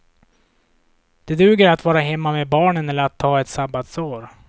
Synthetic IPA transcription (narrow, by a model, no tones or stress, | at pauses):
d̪̥ɛd̪ʉ̟ːɡəɾat̪vɑːɾaɦɛmːamebɑːɳənɛlːəɾat̪ʰːɑːɛt̪sabat̪soːɾ